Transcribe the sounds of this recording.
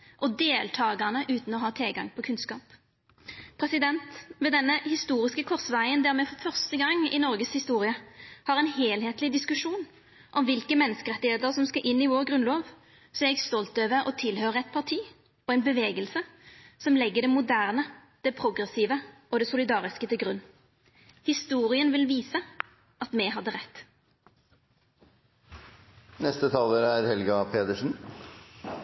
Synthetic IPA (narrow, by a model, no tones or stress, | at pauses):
ʔɔd̪eːlt̪ʰɑːɡɑnəʔʉːt̪n̩ɔɦɑːt̪ʰɪlɡɑ̰ŋpʰɔkʰʉnskɑːp | pʰɾɛsɪd̪ɛnt̪ʋeːd̪ɛnːəhɪst̪uːʁɪskəkʰɔʁsʋæɪənd̪æːʁmɛfɔfœʁst̪əɡɑŋːɪ̰nɔʁɡəshɪst̪uːʁɪəhɑʁɛnheːlheːt̪lɪd̪ɪskʉʂuːn | ʔɔmʋɪlkəmɛnːəskəʁɛt̪ːɪheːt̪əʁsɔmskɑʔɪnːɪʋoːʁɡʁʉnloːʋ | sɔɛɛɡst̪ɔlt̪øːʋəɾɔ̰t̪ʰɪlhøːʁəɛt̪̚pʰɑʁt̪ʰiː | ɔɛnbəʋeːɡəlsəsɔmlɛɡːəd̪ɛmʊd̪æːʁnəd̪̥ɛpʰʁʊɡʁɛsiːʋəʔɔd̪ɛsʊlɪd̪ɑːʁɪskət̪ʰɪlɡʁʉnː | hɪst̪uːʁɪənʋɪlʋiːsə | ʔɑt̪mɛɦɑd̪ːəʁɛt̪ː | nɛst̪ət̪ʰɑːləɾæɾhɛlɡɑpʰeːt̪əʂn̩